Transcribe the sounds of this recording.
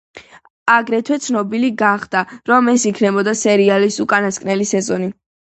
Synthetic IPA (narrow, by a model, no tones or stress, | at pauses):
aɡɾɛt̪ʰwɛt̪sʰnɔbiliɡaχd̪̥aɾɔmɛsikʰnɛbɔd̪asɛɾialisukʼanaskʼnɛlisɛzɔni